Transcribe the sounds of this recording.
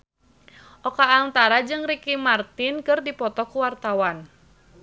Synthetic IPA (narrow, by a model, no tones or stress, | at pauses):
ʔɔkaːnt̪aɾad͡ʒɨŋrikimart̪ɪnkɨrdipɔt̪ɔkuwart̪awan